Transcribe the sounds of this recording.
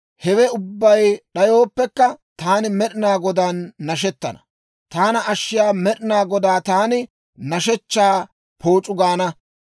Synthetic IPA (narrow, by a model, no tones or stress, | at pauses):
hɛwɛʊbːɐjɗɐjo̞ːpːɛkːɐt̪aːnɪmɛɗɪnaːɡɔd̪aːnːɐʃ̬ɛt̪ːɐnɐ̥ | t̪aːnɐʔɐʃːɪjaːmɛɗɪnaːɡɔd̪aːt̪aːnɪ | nɐʃɛt͡ʃːaː | pʰo̞ːt͡ʃʼʊɡaːnɐ